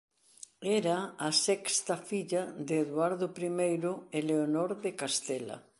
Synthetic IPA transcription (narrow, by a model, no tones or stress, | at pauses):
eɾaːsɛkst̪afiʎad̪eːðwaɾðopɾimejɾoeleonoɾðekast̪ela̰